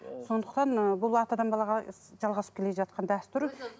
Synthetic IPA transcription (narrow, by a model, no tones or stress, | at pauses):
so̞nd̪əqt̪ɑnbʊlˠɑt̪ɑd̪ɑnbɑlˠɑʁɑ | ʒɑlˠʁɑsə̥pkʲʰeeʒɑt̪̚qɑnd̪æst̪uɾ